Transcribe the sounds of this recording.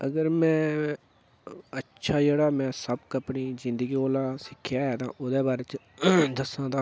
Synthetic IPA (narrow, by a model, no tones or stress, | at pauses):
əɡəɾmɛ̃ː | ətːʃʰaːd͡ʒeːɽaːmɛ̃ːsəbkəpɳiːzɪ̃nd̪əɡiːoːlãːsɪkʰːjaːɦɛːt̪ãːʔoːd̪eːbaːɾeːt͡ʃ | d̪əsãːd̪ãː